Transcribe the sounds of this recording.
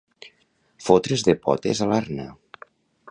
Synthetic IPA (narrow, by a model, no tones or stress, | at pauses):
fot̪ɾezðepɔ̰t̪ḛzalaɾnə